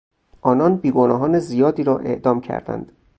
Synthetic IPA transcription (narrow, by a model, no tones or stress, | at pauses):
ʔɒːnɒnbiːɡonɒːɦɒːnezijɒːd̪iːɾɒːʔe̞̰ʔd̪ɒːmcʰæ̰ɾd̪æ̰nd̪̥